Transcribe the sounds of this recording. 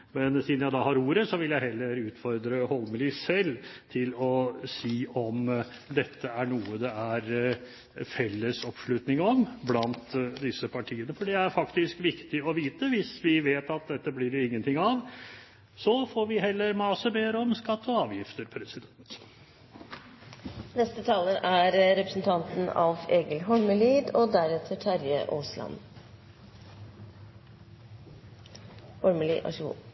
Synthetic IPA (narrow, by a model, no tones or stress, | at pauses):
mɛnsɪnjæɪd̪ɑːhɑːɾuːɾəsɔʋɪljæɪɦɛlːəɾʉːt̪fɔɾd̪ɾəhɔlməlɪsɛlːt̪ʰɪlɔsiːɔm | d̪ɛt̪ʰːəæɳuːəd̪ɛæɾ | fɛlːəsɔpʂɭʉt̪nɪŋɔmblɑnt̪d̪ɪsəpʰɑʈʰiːənəfɔɖɛæɾfɑkt̪ɪskʋɪkt̪ɪɔʋiːt̪əʋɪsʋɪʋeːt̪ɑt̪̚d̪ɛt̪ːəblɪɾɪŋːənt̪ʰɪŋːɑʋ | sɔfoːɾʋɪhɛlːəɾmɑːsəbeːɾəɔmskɑt̪ːɔɑːʋjɪft̪əɾpʰɾɛsɪd̪ɛnt̪ | nɛst̪ət̪ʰɑːləɾæɾɾɛpɾəsn̩t̪ʰɑnt̪n̩ɑʋeːɡəlɦɔɭməliːd̪ɔd̪æɾɛt̪ʰəʈʰæɾjə̰ʔoːslɑ̰n | hɔɾməlḭɑ̰ʂṵ